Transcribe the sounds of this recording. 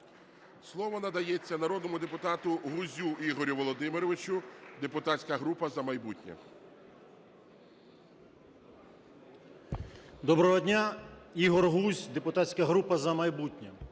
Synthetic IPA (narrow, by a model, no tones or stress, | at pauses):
slˠɔʋɔnɐd̪ɐjɛt͡sʲːɐnɐɾɔd̪nɔmʊd̪epʊt̪ɑt̪ʊɦuzʲuiɦɔɾʲʊʋɔlˠɔd̪ɪmɪɾɔʋɪt͡ʃʊd̪epʊt̪at͡sʲkɐɦɾupɐzɐmɐjbutʲnʲɐ̰ | d̪ɔbɾɔɦɔdʲnʲaiɦɔrɦuzʲd̪e̞pʊt̪asʲkɐɦɾupɐzɐmɐjbutʲnʲɐ